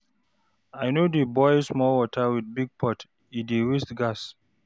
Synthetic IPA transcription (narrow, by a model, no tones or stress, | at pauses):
ajnodebɔɪsmɔlwɔtʰəwid̚biɡ̚pʰɔt | idewistɡas